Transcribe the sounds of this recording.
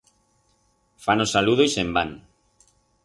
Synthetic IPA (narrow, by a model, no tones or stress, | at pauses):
fanosaluðojsemban